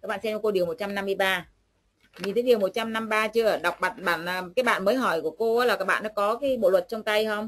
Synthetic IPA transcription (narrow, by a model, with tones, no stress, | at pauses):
kaː˧˦k̚ɓa̰˧˨sɛ˧mt͡ɕɔ˧ko˧ɗi˨˩əwmo˨˩t̚t͡ɕa˧mna˧mːɨ˧əjɓaː˧ | ɲi˨˩t̪ʰə˨˦i˨˩əwmo˨˩t̚t͡ɕa˧mna˧mɓaː˧t͡ɕɨ˧əə˧˩ɗa˨˩wk͡p̚ɓa˨˩t̚ɓaː˧˨nʔəː˨˩kaː˨˦jɓa̰ː˧˨nməː˨˦jɦɔ˧˩jku˧˩əko˧ʔaː˨˦laː˨˩kaː˦˥k̚ɓa̰ː˧˨nɔ̰˨˦kɔ˨˦kaː˨˦ɓo̰˧˨lwə˨˩t̚t͡ɕɔ˧ŋ͡mt̪a˧jhə˧wŋ͡m